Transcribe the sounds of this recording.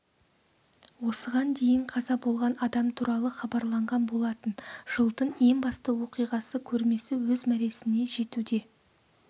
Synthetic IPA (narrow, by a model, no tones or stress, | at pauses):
wo̞səʁɑnd̪e̞jɪɴqʰɑzɑbo̞lˠʁɑnɑd̪ɑmt̪ʰuɾɑlˠəχɑbɑɾlˠɑɴʁɑnbo̞lˠɑt̪ənʒ̥əlˠt̪əne̞ŋbɑst̪əwo̞qijʁɑsəkʲʰɵɾme̞sɪwɵzmæɾe̞sɪne̞ʒe̞t̪ud̪e̞